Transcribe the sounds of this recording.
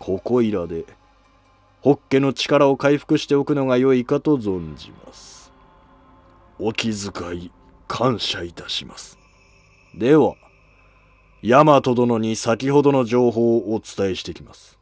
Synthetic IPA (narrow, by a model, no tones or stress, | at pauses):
kʰo̞ko̞iɾad̪e̞ | ho̞kːe̞ːno̞t͡ɕi̥kaɾao̞kaiɸɯ̥kɯ̟ɕi̥t̪e̞okɯ̟no̞ɡajo̞ikat̪o̞zõ̞ɲ̟d͡ʑḭma̰sɨ̥ | o̞kʲizɨkai | kʰãɰ̃ɕait̪aɕimasɨ̥ | d̪e̞βa | jamat̪o̞d̪o̞no̞ɲ̟isakʲiɦo̞d̪o̞no̞d͡ʑo̞ːɦo̞ːot͡sɨ̥t̪ae̞ɕi̥t̪e̞kʲimasɨ̥